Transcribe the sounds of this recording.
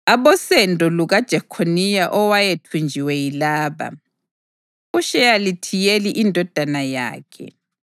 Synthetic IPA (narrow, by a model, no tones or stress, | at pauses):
aβɔsɛndʱɔluɣad̥ʒ̥ʱakʰonijaʔɔwajetʰund͡ʒʱiwɛjilaːβa̰ | uʃɛjalitʰijeliʔindʱɔd̥ʱanaja̰ːkʰɛ̰